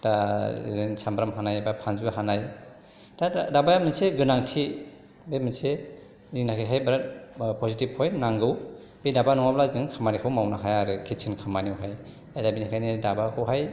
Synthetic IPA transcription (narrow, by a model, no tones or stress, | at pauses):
ta̰ensambɾamɦanajbapʰanzibaɦanaj | tadabajamɯnseɡɯnaŋtʰi | beminse | ziŋnakʰiɦajbɾat̚pɔzitiphɔjnaŋɡɯw | bidabanɔŋablaziŋkʰamaɾikʰawmawnaɦajaɾɯkʰisʰinkʰamaniwɦaj | ajdabinikʰajnidabakʰɯwɦaj